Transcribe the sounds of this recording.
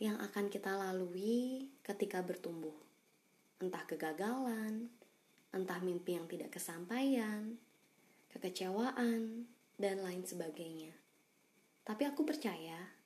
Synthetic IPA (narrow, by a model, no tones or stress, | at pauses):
jaŋʔa̰kankit̪alaluikət̪ikabərt̪umbʊh | ʔənt̪ahkəɡaɡalan | ʔənt̪ahmimpijaŋt̪ida̰ʔkəsampajan | kəkət͡ʃewaʔan | danlaɪnsəbaɡajɲa | t̪apiakupərt͡ʃaja